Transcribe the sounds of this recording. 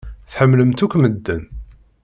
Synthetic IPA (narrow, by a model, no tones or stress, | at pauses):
θħəmːləmt̪ukʷːməd̪ːən